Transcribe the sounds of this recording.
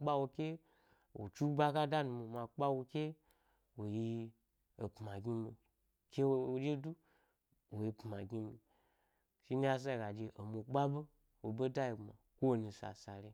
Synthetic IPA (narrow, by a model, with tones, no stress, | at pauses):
ɓa˦wo˧kʲe˦ | wo˨t͡ʃu˦ba˦ka˦da˦nu˧mo˨mã˧k͡pa˦wo˧kʲe˦ | wo˨ji˧ | o˨pma˨ɡʲi˦mi˧˨ | kʲe˦wo˨d͡ʒe˦du˦ | wo˨ji˧pma˨ɡi˦mi˨ | ʃi˦ni˦ja˦s̬a˦˧˨ɡa˨d͡ʒe˧ʔo˨mo˧k͡pa˦be˦ | wo˨bo˦da˦ji˧˨ma˨kʷo˦wo˨nũ˨sa̰˨sa˨ɾe˧